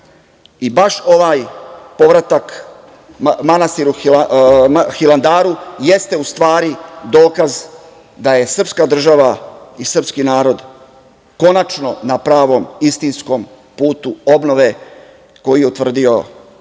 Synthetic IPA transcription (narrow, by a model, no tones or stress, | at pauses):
ibaʃo̞ʋaːjpo̞ʋɾat̪ak | manast̪iːɾuil | xiland̪aːɾuje̞st̪e̞ust̪ʋaːɾid̪o̞ːkaz | d̪aje̞sr̩pskad̪r̩ʒaʋaisr̩pskinaːɾo̞d̪ | ko̞nat͡ʃno̞napɾaːʋo̞mist̪insko̞m | puːt̪uobno̞ʋe̞ | ko̞jijeut̪ʋr̩d̪io̞